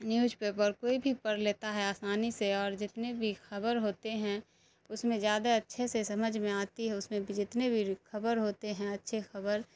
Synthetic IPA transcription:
njuːd͡ʒpeːpəɾkoːibʱipɐɾleːt̪aɦɛaːsaːniseɔːɾd͡ʒɪt̪nebʱixɐbəɾɦoːt̪eɦɛ̃ | ʊsmẽzjaːd̪aɐtːʃʰesesɐməd͡ʒʱmẽaːt̪iɦɛʊsmẽbʱid͡ʒɪt̪nebʱixɐbəɾɦoːt̪eɦɛ̃ɐtːʃʰexɐbəɾ

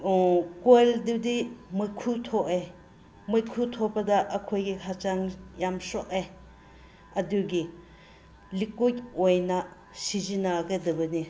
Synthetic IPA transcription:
kojldɯdimɯkʰutʰoʔej | mɯjkʰutʰopɐdɐʔːkʰojɡihʰat͡ʃaŋjamsɔʔej | ɐduɡi | likut̚ojnɐ | sizinaɡɐdɐbɯni

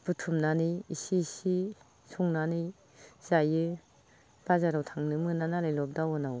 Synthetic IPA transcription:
b̥utʰumnanijisisi | suŋnanɯj | z̥ajɯ | b̥azaɾawtʰaŋnɯmɯnanalajlɔp̚dawɔnaw

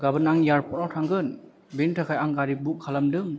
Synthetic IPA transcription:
ɡabɯnaŋjaɾpʰɔnɔtʰaŋɡɯn | bintʰakʰajaŋɡaɾibuk̚kʰːalamdɯŋ

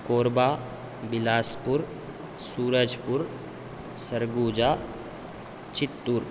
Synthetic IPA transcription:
koːɾbaː | bɪlaːspʊɾ | suːɾəd͡ʒpʊɾ | səɾɡuːd͡ʒaː | t͡ʃɪt̪ːuɾ

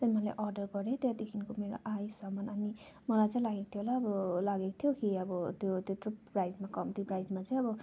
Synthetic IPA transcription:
t̪ʌnimʌlḛʔʌrɖʌrɡʌɾet̪jed̪ekʰinkomeɾo̰ʔajsʌmʌnʌni | mʌlajt͡sãĩlaɡekt̪ʰjolaʌbʌlaɡeko̥t̪ʰjokiʌbʌt̪jot̪jotrupprajd͡zmakʌmt̪joprajd͡zmat͡saĩʌbʌ

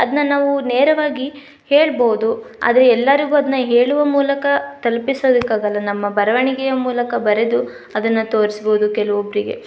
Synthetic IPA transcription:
ɐd̪ɐnːɐnaːʋuneːɾɐʋaːɡi | heːɭboːud̪ua̰ːd̪ɐɾeɛlːɐɾiɡuːɐd̪ɐnːɐɦe̞ːɭuʋɐmuːlɐkɐt̪ɐlpisoːd̪ukːaːɡɐlːɐnɐmːɐbɐɾɐʋɐɳiɡɛjɐmuːlɐkɐbɐɾed̪u | ɐd̪ɐnːɐt̪o̞ːɾisboːd̪ukɛlɐʋobɾiɡe̞̰

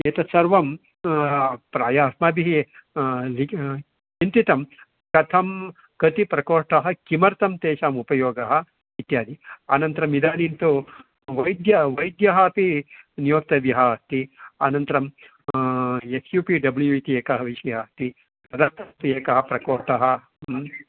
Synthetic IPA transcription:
eːt̪ɐsɐɾʋɐm | pɾaːjaːsmɐbiɦi | li | int̪it̪ɐm | kɐt̪ʰɐm | kɐt̪ipɾɐkoːʈɐɦɐ̆kimɐɾt̪ɐmt̪eːʃaːmupɐjoːɡɐɦɐ̆ | ʋit̪jaːd̪iaːnɐnt̪ɐɾɐmid̪aːnint̪u | ʋɐjd̪jɐʋɐjd̪jɐɦɐːpinijoːk̚t̪ɐd̪jɐɦɐst̪iaːnɐnt̪ɐɾɐm | esjuːpiɖɐbljuit̪ijeːkɐɦɐʋiʃɐjast̪i | ɾɐd̪ɐɾt̪ʰɐp̪ieːkɐɦɐ̆pɾɐkoːʈɐɦɐ̆

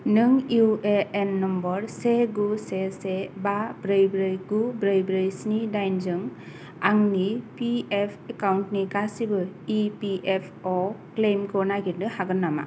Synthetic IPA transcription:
nɯŋueenːɔmbɔɾseɡusesebabɾɯjbɾɯjɡubɾɯjbɾɯjsnidajnzɯŋ | aŋnipiepʰekawntniɡasibɯipiʔepʰɔklejmkʰɔnaɡitnɯhaɡɯnːama̰

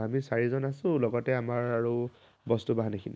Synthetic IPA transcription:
amisaɹizɔnasʊ̃lɔɡɔtɛamaɹaɹu | bɔstubaɦanekʰini

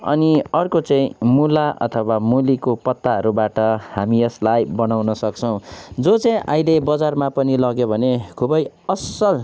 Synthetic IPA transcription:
ʌ̰niʌrkot͡sʌĩmulaʔʌ̰t̪ʰʌwamulikopʌt̪ːaʌɾubaʈʌhamiʌslajbʌnawnʌsʌk̚t͡sʰʌw̃d͡zot͡sʌĩʔaĩlebʌd͡zarmapʌnilʌɡjobʱʌnekʰubʌj | ʌsʌl

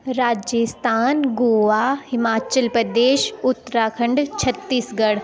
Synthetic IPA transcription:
ɾaːd͡ʒəst̪ʰaːnɡoːʋaɦɪmaːt͡ɕəlpɾɐd̪eːʃʊt̪ːɾaːkʰɐ̃ɳɖt͡ɕʰɐt̪ːiːsɡɐɽ

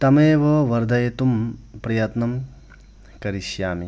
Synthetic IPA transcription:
t̪ɐmeːʋɐʋɐɾd̪ʱɐjet̪umpɾɐjɐt̪nɐm | kɐɾiʃjaːmi

